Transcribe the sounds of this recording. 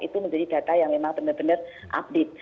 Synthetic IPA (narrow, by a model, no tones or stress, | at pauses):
it̪uməɲd͡ʒadid̥ä̤t̪ajaŋmemaŋb̥ənərbənər | ʔa̰b̚det̪̚